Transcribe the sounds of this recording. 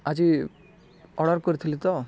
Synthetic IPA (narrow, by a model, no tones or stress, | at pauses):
ad͡ʑi | ɔɽɔɾkɔɾit̪ʰilit̪ɔ